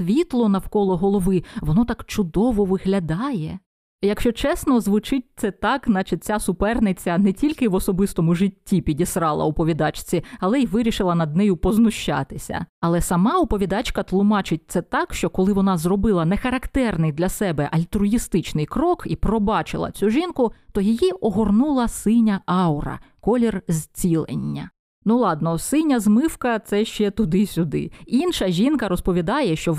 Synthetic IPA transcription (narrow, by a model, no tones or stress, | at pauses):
sʋʲit̪lˠɔnɐwkɔlˠɔɦɔlˠɔʋɪʋɔnɔt̪ɑkt͡ʃʊd̪ɔʋɔʋɪɦlʲɐd̪ɑjɛ | jɐkʃt͡ʃɔt͡ʃɛsnɔzʋʊt͡ʃɪt̚ʲt̪sɛt̪ɑkznɑt͡ʃɪt̪̚ʲt͡sʲasʊpɛrnɪt͡sʲɐnɛtʲilʲkɪʋɔsɔbɪst̪ɔmʊʒɪtʲːipʲidʲisɾɑlˠɐ̰ɔpɔʋʲid̪ɑt͡ʃt͡sʲiɐlˠɛjiʋɪɾʲiʃɪlˠɐnɐd̪̚nɛjʊpɔznʊʃt͡ʃɑ̰t̪ɪsʲɐ̰ɐlˠɛsɐmɑɔpɔʋʲid̪ɑt͡ʃkɐt̪lˠʊmɑt͡ʃɪt̚ʲt̪sɛt̪ɑkʃt͡ʃɔkɔlˠɪʋɔnɑzrɔbɪlˠɐnɛxɐɾɐkt̪ɛrnɪjd̪lʲɐsɛbɛʔɐlʲt̪ɾʊjist̪ɪt͡ʃnɪjkɾɔkipɾɔbɑt͡ʃɪ̰lˠɐ̰t͡sʲuʒinkʊt̪ɔjɪjiɔɦɔrnulˠɐsɪnʲɐʔɑwɾɐ̰kɔlʲɛrzʲt͡sʲilˠḛnʲːɐ̰ | nulˠɑd̪nɔsɪnʲɐzmɪwkɐt̪sɛʃt͡ʃɛt̪ʊd̪ɪsʲʊd̪ɪ̰inʃɐʒʲinkɐɾɔspɔʋʲid̪ɑjɛʃt͡ʃɔ